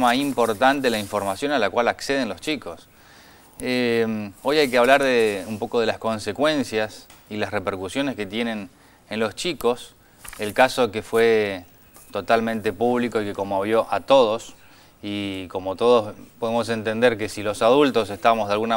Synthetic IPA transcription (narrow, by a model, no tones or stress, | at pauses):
maimpo̞ɾt̪ant̪elaiɱfo̞ɾmasjo̞nalakwalakseð̞enlost͡ʃikos | emo̞jajkeaβlaɾðeumpo̞ko̞ðe̞lasko̞nsekwe̞nsjasilasrepeɾkusjo̞neske̞t̪je̞ne̞n | enlo̞st͡ʃiko̞s | elkaso̞kefwe | t̪o̞t̪almẽnt̪e̞puβ̞liko̞ikekomoβ̞jo̞ʔat̪o̞ð̞os | iko̞mo̞t̪oð̞ospoðemo̞s̬e̞nt̪e̞nd̪eɾke̞silo̞saðult̪ose̞st̪amozðalɣuna